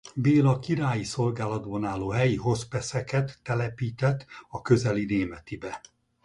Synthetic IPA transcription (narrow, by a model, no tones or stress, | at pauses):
beːlɒkiɾaːjiso̞lɡaːlɒd̪bɒnaːlːoːɦɛjiɦo̞spɛsɛkɛt̪ːɛlɛpiːt̪ɛt̪ːɒkø̞zɛlineːmɛt̪ibɛ